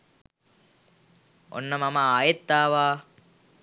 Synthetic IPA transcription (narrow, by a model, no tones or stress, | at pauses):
o̰nːɐmɐmaaːjet̪ːaːʋaː